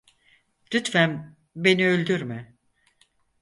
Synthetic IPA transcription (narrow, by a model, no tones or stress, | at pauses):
d̪yt̪fæm | be̞niølʲd̪yɾmɪ